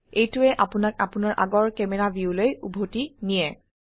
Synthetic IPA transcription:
ejtʊɛʔapʊnak̚apʊnaɹʔa̰ɡɔɹkɛmɛɹabiulojubʱotinijɛ

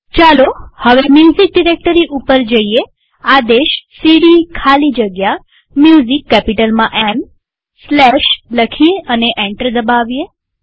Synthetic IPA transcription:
t͡ʃalohəʋemjuzik̚ɖiɾek̚ʈəɾiʔupəɾd͡ʒəie | ad̪eʃsiɽikʰalid͡ʒəɡja | mjuzikːɛpiʈəlmãʔɛm | slɛʃləkʰiəneʔɛɳʈəɾd̪əbaʋie

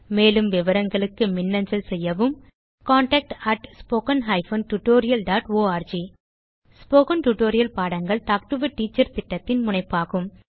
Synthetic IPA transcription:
meːlɯmʋɪʋɐɾɐŋɡɐɭɯkːɯmɪnːɐɲd͡ʒɐlsɛjːɐʋɯm | kaːɳʈɐk̚ʈɐʈspoːkɐnɦɐɪfɐːnʈʊʈːoːɾɪjɐlɖaːʈoːaːɾd͡ʒiː | spoːkɐnʈuʈːoːɾɪjɐlpaːɽɐŋɡɐɭʈ̪aːk̚ʈɯʋɯʈiːt͡ʃːɐɾt̪ɪʈːɐt̪ːɪnmʊɳɐɪpːaːɣɯm

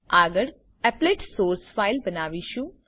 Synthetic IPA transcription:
aːɡəɽ | ɛpleːʈsoːɾsfaːɪlbɐnaːʋiʃũ

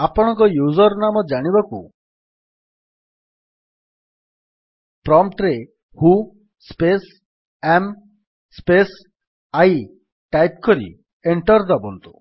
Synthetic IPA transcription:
apɔɽ̃ɔŋkɔjuzɔɾnamɔd͡ʒaɽ̃ibaku | pɾɔmʈɾe | hu | spes | em | spes | aj | ʈajp̚kɔɾḭ | eɳʈɔɾd̪ɔbɔnt̪u̥

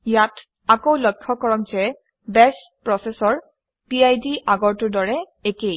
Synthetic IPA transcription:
jat | akowlɔkʰːɔkɔɹɔk̚zɛ | bɛstpɹɔsɛsɔɹ | piajdiʔaɡɔɹtʊdɔɹɛ | ekej

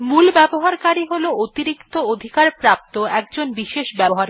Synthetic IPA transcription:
mulbɛboɦaɾkaɾiɦoloot̪iɾikt̪ood̪ʱikaɾpɾap̚t̪oɛkd͡ʑonbiʃeʃbɛboɦaɾ

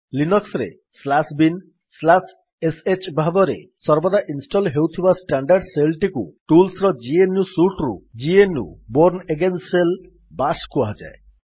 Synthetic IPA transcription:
linɔksɾḛ | slasbin | slas | eset͡ʃbʱabɔɾesɔɾbɔd̪aʔinsʈɔlɦewt̪ʰibasʈaɳɖaɾɖselʈikuʈulsɾɔd͡ʒienjusuʈɾṵd͡ʒienṵboɾneɡensel | baskuaɦɔd͡ʒa̰e

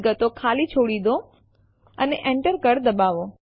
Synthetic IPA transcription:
ɡət̪okʰalit͡ʃʰoɽid̪o | əneʔẽɳʈəɾkəɾd̪əbaʋo

